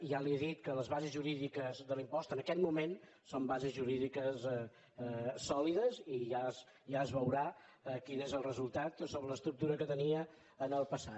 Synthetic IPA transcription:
ʒalieðit̪kələzβazezʒuɾiðikəzðəlimpɔst̪ənəkɛt̪mumen | sombazezʒuɾiðikəs | sɔliðəziʒas | ʒaəzβəwɾa | əkinezəlˠrəzulˠt̪at̪soβɾələst̪ɾuk̚t̪uɾəkət̪əniə | ənəlˠpəsa

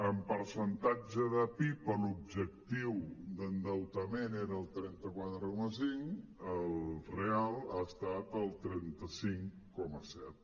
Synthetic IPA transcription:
əmpəɾsənt̪ad͡ʒəðəpipəlub̚ʒək̚t̪iwd̪ənd̪əwt̪əmeneɾəəːlˠt̪ɾɛnt̪əkwat̪ɾəkɔməsiŋəlˠrealˠaəst̪at̪əlˠt̪ɾɛnt̪əsiŋ | kɔməsɛt̪̚

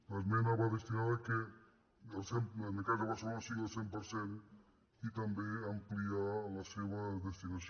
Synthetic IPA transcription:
lazmenaβaðest̪inaðake | elˠsemenekazepaɾselonasiɣelˠsempəɾsen | it̪ambeamplialaseβaðest̪inas

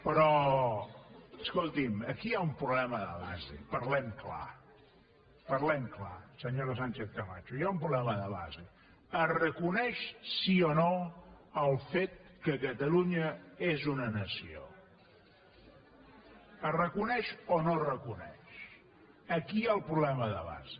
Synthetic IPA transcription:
pɾɔ | əskolˠt̪iməkiaumpɾuβlɛməðə̰βa̰zḛpəɾlɛmkla̰ | pəɾlɛmkla̰səɲoɾəsanʲt͡ʃeθkəma̰t͡ʃujaumpɾuβlɛməðəβa̰ze | ərəkunɛʃsionoəlˠfet̪̚kəkət̪əluɲəezunənəsio̰ | ərəkunɛʃonorəkunɛ̰ʃ | əkiaəlˠpɾuβlɛməðəβa̰ze

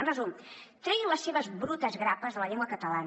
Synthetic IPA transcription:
ənrəzum | t̪ɾɛjləsːeβəzbɾut̪əzɣɾapəzðələʎeŋɡwəkət̪əlan

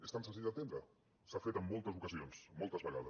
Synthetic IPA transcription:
est̪ansə̃nsiʒdət̪end̪ɾə | safet̪əmːolˠt̪əzukəzionsmolˠt̪əzβəɣaðəs

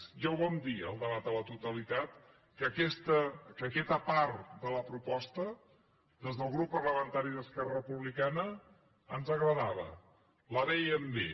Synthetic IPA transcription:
ʒawβɔnd̪iə̰lˠd̪əβat̪̚d̪ələt̪ut̪əlit̪at̪ | kəkɛst̪əkəkɛt̪əpaɾðələpɾupɔst̪ə | d̪ezðəlˠɣɾupːərləmənt̪aɾiðəskɛrərəpuβlikanə | ənzəɣɾəðaβə̰ | ləðɛjəmbe

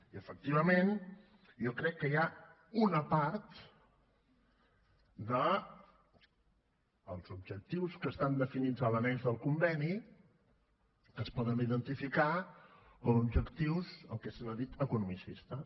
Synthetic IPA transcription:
iəfək̚t̪iβ̞əmen | jɔkɾɛkːəja | unəpaɾt̪ | d̪ə | lˠzubʒək̚t̪iwskəst̪and̪əfinid͡zələnɛnzðəlˠkumbɛni | kəspɔðəniðənt̪ifika | kɔmubʒəkt̪iwsə̰lˠkɛsənəðit̪əkunumisist̪ə

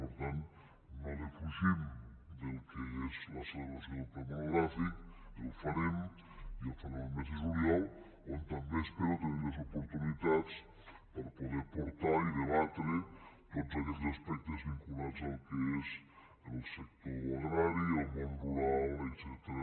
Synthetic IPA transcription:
poɾt̪an | nalefuʒimd̪elkeezlaseleβasjopaɾnoɣɾafikelufaɾem | ialfaɾẽmeseʒuɾjal | ont̪ambeespeɾot̪eneɾlezopoɾt̪unit̪att͡s | paɾapoðepoɾt̪aɾiðeβat̪ɾet̪otzakɛtzaspɛk̚t̪ezβiŋkulaɾzalkeez | enelsek̚t̪oɾoɣɾaɾielmõnruɾalekt͡ʃɛt̪ɾa

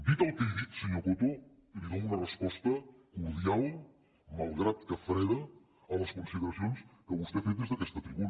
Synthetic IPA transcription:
d̪it̪əlˠkejðit̪səɲokot̪o | iβiðowunɐrəspɔst̪əkluðialˠ | malˠɣɾat̪kɐfɾeɾɐː | lɐskunsiðəɾɐsionskəβust̪efejt̪ezðəkɛst̪ɐt̪ɾiβun

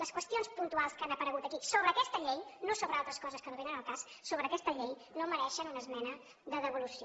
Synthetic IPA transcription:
ləskwəst̪ionspunt̪ualˠskanəpəɾəɣut̪əkisoβəːkɛst̪əʎejnosoβɾəalˠt̪ɾəskɔzəskənoβenənəlˠkasːoβɾəːkɛst̪əʎej | noməɾɛʃənunəzmɛnə | ðəðəβulusio

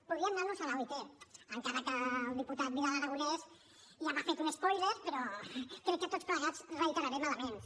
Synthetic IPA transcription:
puðɾiəmnaɾnuzalawit̪eəŋkaɾəkəlˠd̪iput̪at̪̚biɾalaɾəɣulɛz | ʒamafet̪uneskɔjzəspɾɔkɾɛkːət̪ot͡spləɣad͡zrəit̪əɾaɾɛmalamen

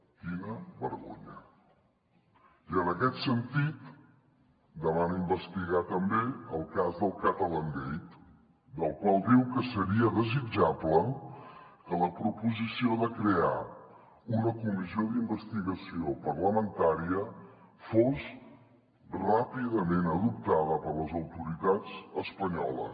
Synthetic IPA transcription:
kinəβəɾɣo̰ɲə | iənəkɛt̪sənt̪it̪ | d̪əβanimbəst̪iɣat̪əmbeəlˠkazðəlˠkət̪ələnd̪ejt̪ | d̪əlˠkwalˠd̪iwkəsəɾiəðəzid͡ʒablə | kələpɾupuzisioðəkɾea | unəkumizioðimbəst̪iɣəsiopərləmənt̪aɾiə | fos | rapiðəmenəðup̚t̪aðəpəɾləzəwt̪uɾit̪ad͡zəspəɲɔ̰lə̰s

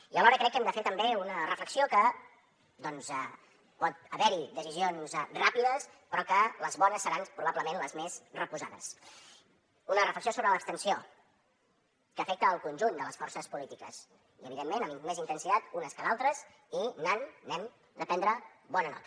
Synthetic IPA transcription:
iəlɔɾəkɾɛkːɛmd̪əfeɾt̪əmbeunərəfləksiokə | d̪ɔnzɛ | pɔt̪̚əβɛɾid̪əzizionzrapiðəs | pɾɔkələzβɔnəsːəɾanpɾuβabləmenləzmezrəpuzaðə̰s | unərəfləksiosoβɾələːkst̪ənsio | kəːfɛk̚t̪əːlˠkunʲʒund̪ələsfɔrsəspulit̪ikə̰s | iəβiðemːenəmmezint̪ənsit̪at̪unəskəðalˠt̪ɾəs | inanːɛm | d̪əpɛnd̪ɾəβɔnənɔ̰t̪ə

